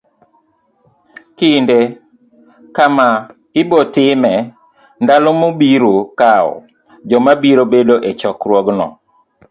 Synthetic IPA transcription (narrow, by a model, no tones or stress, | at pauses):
kɪnde | kama | ɪbɔtɪmɛ | ndalɔmobiɾokaɔ̰ | d͡ʒɔmabiɾobedoʔet͡ʃɔkɾwɔɡnɔ̰